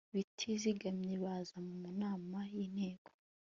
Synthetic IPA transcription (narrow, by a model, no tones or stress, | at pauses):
βitʰiziɡamɲiβazamumunaːmajiːn̥he̞ːɡo̥